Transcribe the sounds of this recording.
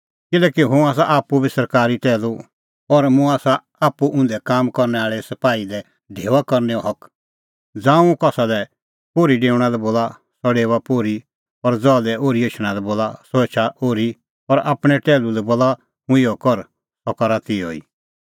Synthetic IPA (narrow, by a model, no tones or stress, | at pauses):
kɪlɛːkiɦũaːs̬aʔaːpubisɐɾkaːɾiʈɛːlu | ɔɾmũaːsa | aːpuʔʊ̃nd̪ɛkaːmkɔɾnɛaːɭɛsɐpaːid̪ɛ | ɖʱeːʋakɔɾnɛɔɦɔk | d͡zãːũkɔːsad̪ɛ | poːɾiɖeːʊɽ̃alɛboːla | sɔɽeːʋapoːɾi | ɔɾd͡zɔːd̪ɛʔoːɾieːʃɽ̃ãlɛboːlasɔet͡ʃʰaʔoːɾi | ɔɾa̰ːpɽ̃ɛʈɛːlulɛboːla | mʊ̃ɪɔkɔɾ | sɔkɔɾat̪ɪɔḭː